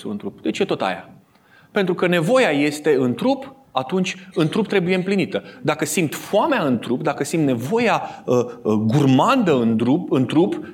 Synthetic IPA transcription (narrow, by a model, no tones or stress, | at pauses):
suɨ̰nt̪ɾupd̪e̞t͡ʃje̞t̪o̞t̪a̰ja̰ | pe̞nt̪ɾukəne̞vo̞jaje̞st̪e̞ɨnt̪ɾup | at̪unt͡ʃʲɨnt̪ɾup̚t̪ɾe̞bujeɨmplinit̪əd̪akəsimt̪foameaɨnt̪ɾupd̪akəsimt̪ne̞vo̞jaəɡurmand̪əɨnd̪ɾupɨnt̪ɾup